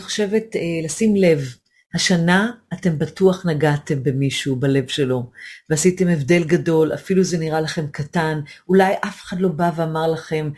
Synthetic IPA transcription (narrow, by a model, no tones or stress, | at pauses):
niχo̥ʃe̞ve̞tːlasimle̞v | haʃanaːte̞mbatuaχnaɡate̞mbe̞miʃubale̞vʃe̞lo̞veasite̞me̞vde̞lɡado̞lʔa̰filuze̞niʁalaχe̞mkatanulajʔafe̥χadlo̞baveamaʁlaχe̞m